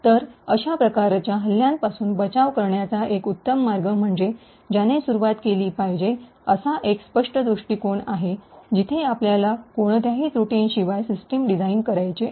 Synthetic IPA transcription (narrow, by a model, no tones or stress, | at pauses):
t̪əɾəɕapɾəkaɾt͡ɕjaɦəljãn̚pasuːnbət͡saʋkəɾɳjat͡saʔekut̪ːəmːaɾɡəm̤əɳd͡ʑe | d͡ʑanesuɾuʋat̪keliːpajd͡ʑe | əsaʔekspəʂʈəd̪ɾuʂʈiːkoɳaɦed͡ʑit̪ʰeapljalakoɳ̃t̪jaɦiːt͡sɾuʈiːnɕiʋajsisʈimɖid͡zainkəɾajt͡ɕe